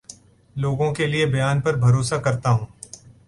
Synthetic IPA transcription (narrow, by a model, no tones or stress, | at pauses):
loːɡõkeliebɐjaːnpɐɾbʱɐɾoːsakɐɾt̪aɦũː